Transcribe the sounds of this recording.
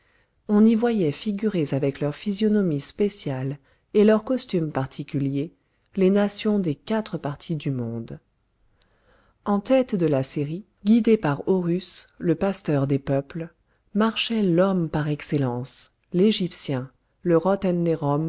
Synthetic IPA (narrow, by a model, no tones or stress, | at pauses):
ɔ̃nivwajɛfiɡʲyʁezavɛklœʁfizjɔnɔmispesjal | elœʁkɔst̪ympaʁt̪ʰikʲylje | lenasjɔ̃d̪ekat̪χəpaʁt̪ʰid̪ymɔ̃d̪ | ɑ̃t̪ɛt̪d̪əlaseʁi | ɡʲid̪epaʁoʁysləpast̪œʁd̪epœpl | maʁʃɛlɔmpaʁɛkselɑ̃s | leʒipsjɛ̃ | ləʁɔt̪ɛnːeʁɔm